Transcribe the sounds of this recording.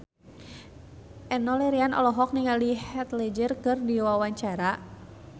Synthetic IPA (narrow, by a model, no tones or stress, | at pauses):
ʔɛnɔlɛɾianʔɔ̰lɔɦɔk̚niŋalihɛt̪lɛd͡ʒərkɨrdiwawaɲt͡ʃaɾa